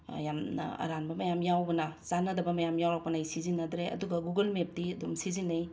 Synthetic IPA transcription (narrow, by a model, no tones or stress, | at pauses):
jamnɐ̰ɐ̰ɾanbɐmɐjamjawbɐnɐzanɐdɐbɐmɐjamjawɾak̚pɐnajsizinːɐdɾeɐ̰duɡɐɡuɡɐlmep̚diɐdumsizinːɐj